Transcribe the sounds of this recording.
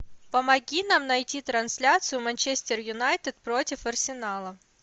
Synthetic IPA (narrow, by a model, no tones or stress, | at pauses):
pəmɐɡʲinamnɐjtʲit̪ɾɐnsʲlʲat̪sɨjʊmɐnʲt͡ɕesʲtʲɪrjʊnajt̪ɪt̪̚pɾo̞tʲɪfɐrsʲɪnalˠə